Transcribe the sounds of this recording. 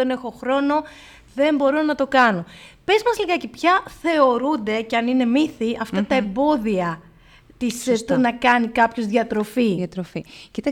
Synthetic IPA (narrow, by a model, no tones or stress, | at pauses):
ene̞xo̞xɾo̞no̞ | ðe̞mbo̞ɾo̞nɐt̪o̞kɐno̞pe̞zmɐzliɣɐce̞pçɐθe̞o̞ɾund̪e̞ceɐnine̞miθiʔɐft̪ɐt̪ɐembo̞ðiɐ | t̪ist̪unɐkɐnikɐpço̞zðʝɐt̪ɾo̞fit̪ɾoficit̪ɐ